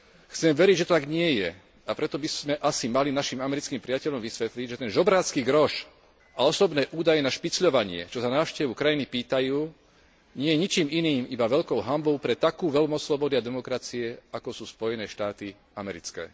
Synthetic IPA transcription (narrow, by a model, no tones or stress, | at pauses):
xt͡sɛmʋɛɾiɟʒɛt̪ɔt̪aɡɲɪɛjɛ | apɾɛt̪ɔbizmɛʔasimalinaʃiːmamɛɾit͡skiːmpɾiɪacɛʎɔmʋisʋɛt̪liɟʒɛt̪ɛnʒɔbɾaːt͡skiːɡɾɔʃ | aɔsɔbnɛːʔuːd̪ajɛnaʃpit͡sʎɔʋaɲɪɛ̰t͡ʃɔsanaːʊʃcɛʋukɾajinipiːt̪ajuː | ɲɪɛjɛɲit͡ʃiːminiːmibaʋɛʎkɔʊɦambɔʊpɾɛt̪akuːʋɛlmɔssːlɔbɔd̪iad̪ɛmɔkɾat͡siɛakɔsuːspɔjɛnɛːʃt̪aːt̪i | amɛɾit͡skɛ̰ː